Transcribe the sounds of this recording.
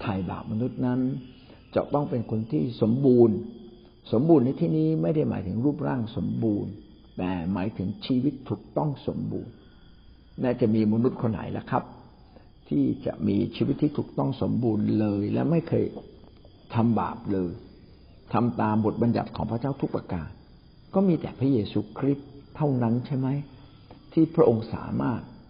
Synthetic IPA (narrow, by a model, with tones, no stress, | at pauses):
t̪ʰaː˨˩jba̰ː˨˩p̚ma˧nu˦˥t̪̚na˦˥n | t͡ɕa̰˨˩t̪ɔ˥˩ŋpe˧nkʰo˧nt̪ʰiː˥˩so˩˦mbuː˧n | so˩˦mbuː˧nːa˧jt̪ʰiː˥˩niː˦˥ma˥˩jda˥˩jma̰ː˩˦jt̪ʰɯ˩˦ŋɾuː˥˩p̚ɾaː˥˩ŋso˨˩˦mbuː˧n | t̪ɛː˨˩maː˩˦jt̪ʰɯ˩˦ŋt͡ɕʰiː˧wi˦˥t̪ʰːuː˨˩k̚t̪ɔ˥˩ŋso˩˦mbṵː˧nː | aː˦˥˩t͡ɕa˨˩ʔmiː˧ma˧nu˦˥t̪̚kʰo˧nːa̰˨˩˦jla̰˦˥kʰa˦˥p̚ | t̪ʰiː˥˩t͡ɕa̰˨˩ʔmiː˧t͡ɕʰiː˧wi˦˥t̪ʰːiː˥˩uː˨˩k̚t̪ɔ˥˩ŋso˩˦mbuː˧nlɤː˧jlɛ̰˦˥ma˥˩jkʰɤː˧j | t̪ʰa˧mba̰ː˨˩p̚lɤː˧j | t̪ʰa˧mt̪aː˧mbo˨˩t̪̚ba˧nja˨˩t̪̚kʰɔː˩˦ŋpʰɾa˦˥t͡ɕaː˥˩wt̪ʰu˦˥k̚pɾaː˧ka̰ː˧˩n̚ | kɔː˥˩miː˧t̪ɛ̰ː˨˩pʰɾa˦˥jeː˧suː˧kʰɾi˦˥t̪ʰːa˥˩wna˦˥nt͡ɕʰa˥˩jma˦˥j | t̪ʰiː˥˩pʰɾa˦˥ʔo˧ŋsa̰ː˩˦maː˥˩k̚